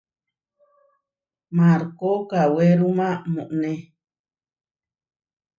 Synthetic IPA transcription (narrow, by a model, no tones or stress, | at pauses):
mãɾkokaweɾumãmũʔnẽ